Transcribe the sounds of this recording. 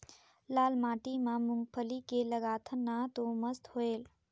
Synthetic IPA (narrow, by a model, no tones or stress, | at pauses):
laːlmaːʈimamuŋɡ̚pʰəlikeləɡaːt̪ʰənːat̪oməst̪hoel